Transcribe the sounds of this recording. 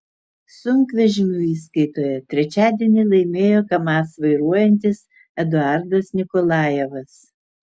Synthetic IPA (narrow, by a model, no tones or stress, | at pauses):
sʊŋkʋʲɛʒʲɪnʲuːiːskɐɪt̪oːjɛt̪ʲɾʲɛt͡ʃʲæːd̪ʲiɛnʲɪlˠɐɪmʲeːjoːkɐmɑːsʋɐɪɾuɔjɛnʲt̪ʲɪs | ɛd̪ʊɑˑɾd̪ɐsnʲɪkɔlˠɑːjɛʋɐs